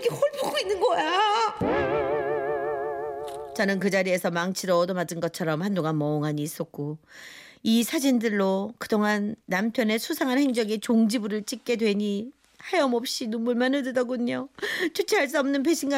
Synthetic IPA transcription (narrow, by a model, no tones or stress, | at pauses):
iɡehoɭboɡoinːɯnɡʌja | t͡ɕʌnɯnkɯd͡ʑaɾie̞sʰʌmaŋt͡ɕʰiɾʌːdʌmad͡ʑɯnɡʌt͡ɕʰʌɾʌmhandoŋanmʌoŋɦaɲiːs͈ʌk̚k͈o | isʰad͡ʑindɯɭːokɯdoŋɦanːampʰjʌne̞sʰusʰaŋɦanheŋd͡ʑʌɡit͡ɕoŋd͡ʑibuɾɯɭt͡ɕ͈ik̚k͈e̞dwe̞ɲi | hajʌmʌp̚ɕ͈inomːuɭmanɯɭdɯdʌɡoɲot͡ɕʰut͡ɕʰiɦaɭs͈uʌmnɯnp̬ʰe̞ɕʰinɡa